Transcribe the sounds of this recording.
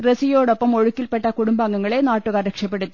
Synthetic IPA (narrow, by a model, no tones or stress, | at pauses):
resijo̞ːɽo̞pːɐmo̞ɻukːilpe̞ʈːɐkuɽumbaŋːɐŋːɐɭe̞naːʈːuɣaːɾekʂɐp̬ːe̞ɽut̪ːi